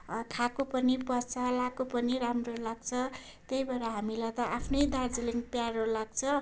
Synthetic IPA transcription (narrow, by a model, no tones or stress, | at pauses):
kʰakopʌnipʌrt͡sʰʌlakopʌniɾamrolaɡ̚t͡sʰʌ | t̪ejbaɾaɦamilat̪ʌʔapʰnʌjd̪ard͡ziliŋɡpjaɾolaɡ̚t͡sʰʌ